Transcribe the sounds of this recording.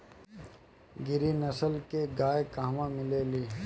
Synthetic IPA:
ɡɪɾinɐsəlkeɡaːekaːmãmɪleːliː

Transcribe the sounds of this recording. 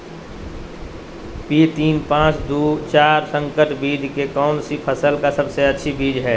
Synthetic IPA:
piːt̪iːnpãːt͡ʃd̪uːt͡ʃaːɾsə̃ŋkəʈbiːd͡ʒkekɔːnsipʰəsəlkasəbseɐtːʃʰibiːd͡ʒɦɛː

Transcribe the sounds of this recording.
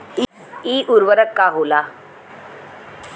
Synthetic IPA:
iʔuɾʋəɾəkːaɦola

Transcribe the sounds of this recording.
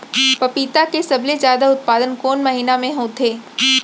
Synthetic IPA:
pɐpiːt̪akesɐblezjaːd̪aʊt̪̚paːd̪ənkoːnmɐɦiːnamẽɦoːt̪ʰeː

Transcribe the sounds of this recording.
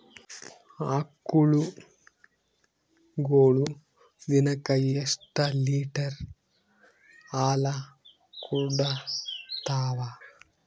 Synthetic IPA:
aːkːuɭu | ɡoːɭu | d̪inɐkɐjesʈɐliːʈɐɾ | aːlɐ | kuɖɐt̪aːʋɐ

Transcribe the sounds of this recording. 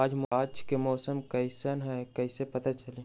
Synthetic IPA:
aːd͡ʒmaːd͡ʒkemɔːsəmkɐisənɦɛkɐisepɐt̪at͡ʃɐleː

